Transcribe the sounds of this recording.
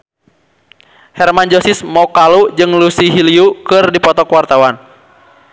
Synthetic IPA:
hɛrmand͡ʒɔsismɔkalud͡ʒɨŋlusiɦiliukɨrdipɔt̪ɔkwart̪awan

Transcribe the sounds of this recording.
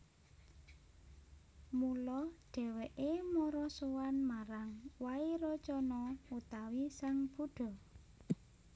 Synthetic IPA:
mulɔɖ̥ɛ̤weʔemɔɾɔsowanmaɾaŋwaiɾɔt͡ʃɔnɔut̪awisaŋb̥uɖ̥ɔ̤

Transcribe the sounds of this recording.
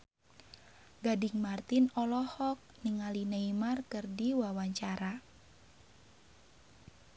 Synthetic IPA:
ɡadɪŋmart̪inɔlɔhɔk̚niŋalinəimarkɨrdiwawaɲt͡ʃaɾa

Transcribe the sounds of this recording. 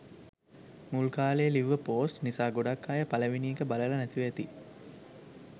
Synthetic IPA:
mulkaːlejəliʋːəpoːsʈnisaːɡoɖakːaːjəpaləʋiniːkəbaləlɐnæt̪iʋæt̪i

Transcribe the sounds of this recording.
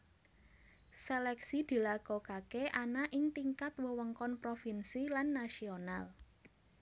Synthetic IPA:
selɛksid̪̥i̤lakɔkakeʔanaʔɪŋt̪iŋkat̪wəwəŋkɔnpɾofinsilanːasional

